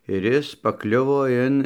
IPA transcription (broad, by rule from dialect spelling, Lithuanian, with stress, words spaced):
ɪr ˈɪs pɐˈklʲʊʋoː ˈɪn